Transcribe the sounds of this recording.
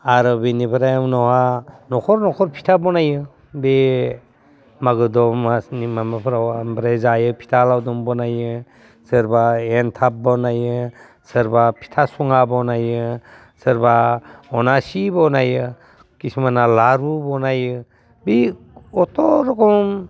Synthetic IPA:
aɾɔbinipʰɾajnɔwhanɔkʰɔɾnɔkʰɔɾpʰi̥tʰabɔnajɯ | be | maɡɯdɔmanimamapʰɾawmbɾazajɯpʰi̥tʰalawdɔmbɔnajɯ | sɯɾbaentʰap̚bɔnajɯ | sɯɾbapʰi̥tʰasuŋabɔnajɯ | sɯɾbaɔnasibɔnajɯ | kisimanalaɾubɔnajɯ | bi | ɔtɔɾɔkɔm

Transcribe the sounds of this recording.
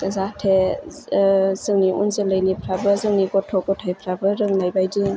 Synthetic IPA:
zatʰe | zɯŋniʔunzeləjnipʰɾabɯzɯŋniɡɔtʰːɔkɔtʰajpʰɾabɯɾɯŋnajbajdi

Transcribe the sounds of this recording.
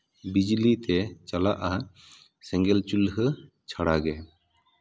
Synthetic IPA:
bid͡ʒlit̪ɛt͡ʃalaʔa | sɛ̃ŋɡɛlt͡ʃulhə | t͡ʃʰaɽaɡɛ

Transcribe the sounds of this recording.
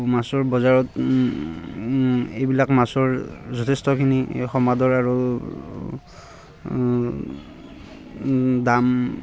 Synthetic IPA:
masɔɹbɔzaɹɔt | ejbilakmasɔɹzɔtʰestɔkʰinixɔmadɔɹaɹo | dam

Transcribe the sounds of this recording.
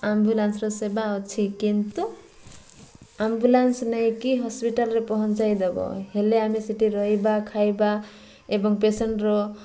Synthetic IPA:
ambulansɾɔsebaɔt͡ʃʰikint̪u | ambulansnɔjkiɦɔspiʈalɾepɔɦɔnt͡ʃajd̪ebɔ̰ɦeleamisiʈiɾɔɦibakʰajba | ebɔŋpeseɳʈɾɔ

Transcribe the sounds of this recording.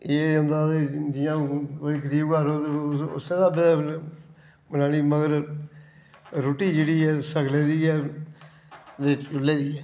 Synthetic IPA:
eːə̃nd̪aːd̪eːd͡ʒɪjãːkoiːkəɾiːbkəɾoːt̪eʊ̰sẽːd̪aːbe | ənaːliːməɡəɾ | ɾʊʈiːd͡ʒeːɽiːɛːsəkʰleːd̪iːɛː | d̪eːt͡ʃʊlːeːd̪iːɛː

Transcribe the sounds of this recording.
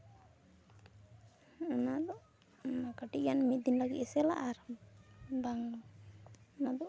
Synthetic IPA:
anad̪ɔʔ | akaʈiʔjanmit̪̚d̪inlaɡḭʔɛsɛlaʔaɾ | baŋ | nad̪ɔ

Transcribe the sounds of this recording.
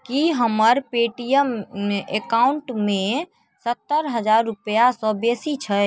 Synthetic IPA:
kiɦəməɾpeʈijəmekauɳʈme | sət̪ːəɾɦəd͡ʒaɾːupjasɔ̃besit͡ʃʰə

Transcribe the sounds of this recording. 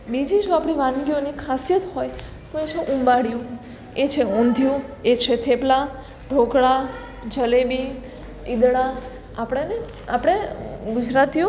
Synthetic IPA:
bid͡ʒid͡ʒoapɽ̃iʋãnɡionikʰasijət̪hoj | t̪oet͡ʃʰoʔũmbaɽjũ | et͡ʃʰeɔ̃nd̪ʱjũet͡ʃʰet̪ʰepla | ɖʱoɡɭa | d͡ʒəlebi | id̪ɽa | apɽ̃ene | a̰pɽ̃eɡʊd͡ʒɾat̪io

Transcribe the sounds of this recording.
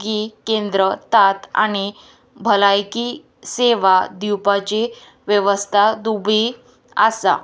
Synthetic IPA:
ɡikend̪ɾət̪at̪a̰ɽ̃i | bʱəlajkiː | seʋad̪iwpat͡ɕe | ʋjəʋəst̪ʰad̪ubʱi | a̰sa̰

